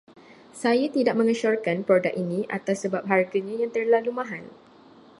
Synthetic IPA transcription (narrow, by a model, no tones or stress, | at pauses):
sajat̪idaʔ̚mə̃ŋəʃɔrkanpɾodak̚inĩʔa̰t̪asːəbap̚ɦarɡaɲãjaŋt̪ərlalumãɦan